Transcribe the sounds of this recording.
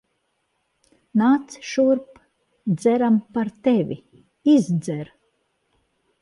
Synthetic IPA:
naːt̪sʃuɾp | d̪zɛɾampaɾt̪evʲḭ | izd̪zɛɾ

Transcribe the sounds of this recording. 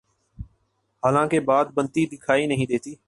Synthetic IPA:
haːlãːkeːbaːd̪̚bənt̪iːd̪ɪkʰaːiːnəɦĩːd̪eːt̪iː

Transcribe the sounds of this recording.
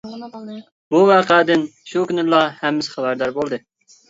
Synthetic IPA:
buvɑːqʰɛd̪ɪnʃukʲynɪlˠɑhɛmːɪsɪ̥χæbæɾd̪ɑɾbolˠd̪ɨ

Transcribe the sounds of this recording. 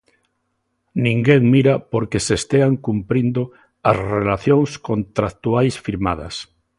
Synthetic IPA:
nĩŋɡeŋmiɾapoɾkesest̪eaŋkumpɾind̪o | asrelaθjõŋskõnt̪ɾakt̪uajsfiɾmað̞a̰s

